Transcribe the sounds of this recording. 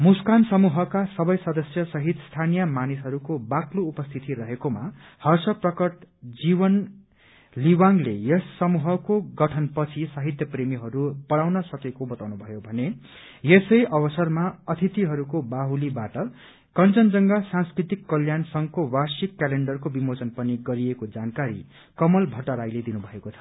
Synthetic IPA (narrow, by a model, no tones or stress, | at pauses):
muskansʌmuɦʌkasʌbʌjsʌd̪ʌsjʌsʌɦit̪st̪ʰanijʌmanisɦʌɾukobakloupʌst̪ʰit̪iɾʌɦekoma̰ | hʌrsʌprʌkʌʈd͡zibʌn | liwaŋlḛjʌsːʌmuɦʌkoɡʌʈʰʌnpʌt͡sʰisaɦit̪jʌpremiɦʌɾupʌɽawnʌsʌkekobʌt̪awnubʱʌjobʱʌne | jesʌjʔʌβʌsʌrmaʌt̪ʰit̪iɦʌɾukobaɦulibaʈʌ | kʌnt͡sʌnd͡zʌŋɡasãnskɾit̪ikːʌljansʌŋkowarsikːaleɳɖʌrkobimot͡sʌnpʌniɡʌɾiekod͡zankaɾḭ | kʌmʌlbʱʌʈʌɾajled̪inubʱʌekot͡sʰʌ̥